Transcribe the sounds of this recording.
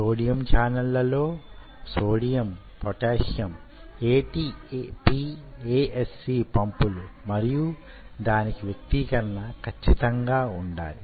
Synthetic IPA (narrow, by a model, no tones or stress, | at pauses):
soːɽijɐmt͡ʃaːnɐlːɐlo̞ː | soːɽijɐm | pɔʈeːʂjɐm | eːʈiːpiːeːʔesːiːpɐmpulumɐɾiju | d̪aːnikiʋjɐk̚t̪ikɐɾɐnɐkʰɐt͡ʃːit̪ɐŋɡaːuɳɖa̰ːli